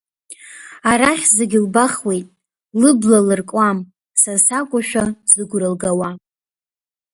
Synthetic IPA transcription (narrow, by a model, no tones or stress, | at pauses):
aɾaχʲzeɡʲɪlbaχwe̞jtʼ | lɨblalɨrkʷʼwam | sasakʷʼaʃᶣaz̥ɨɡʷɾɨlɡawa